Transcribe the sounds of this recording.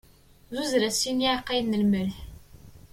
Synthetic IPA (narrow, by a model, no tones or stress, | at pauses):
zuzɾæsiniʕaqːajnːəlməlħ